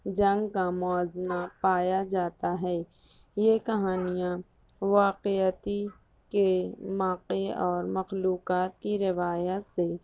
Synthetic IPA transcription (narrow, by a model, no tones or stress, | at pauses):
d͡ʒɐ̃ŋɡkamɔaːznapaːjad͡ʒaːt̪aɦɛː | jekɐɦaːnijã | ʋaːqet̪i | kemaːqeɔːɾmɐxluːqaːt̪iɾɪʋaːjət̪se